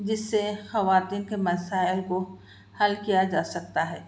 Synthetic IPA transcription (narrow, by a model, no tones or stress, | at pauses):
d͡ʒɪsːexɐʋaːt̪iːnkemɐsaːɪlko | hɐlkijad͡ʒaːsɐk̚t̪aɦɛː